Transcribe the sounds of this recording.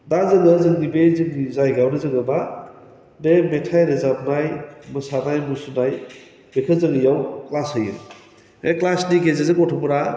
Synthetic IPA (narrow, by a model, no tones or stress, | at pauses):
dazɯŋɯzɯŋdibezɯŋdizajɡawnɯzɯŋɯba | bemetʰajɾezap̚najmɯsanajmusunaj | bekʰɯzɯŋɯjawklashɯjɯ̰ | eklasniɡezezɯŋɔtʰɔmuɾa